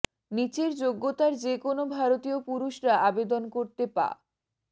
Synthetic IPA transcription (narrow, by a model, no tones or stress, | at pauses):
nit͡ɕeɾd͡ʑoɡːot̪aɾd͡ʑekonobʱaɾot̪iopuɾuʃɾaʔabed̪onkoɾt̪epa̰